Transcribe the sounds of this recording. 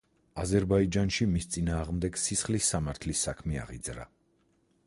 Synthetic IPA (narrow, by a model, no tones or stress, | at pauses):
azɛɾbaid͡ʒanʃimist̪sʼinaːʁmd̪ɛɡsisχlisːamaɾt̪ʰlisːakʰmɛa̰ʁid̪zɾa̰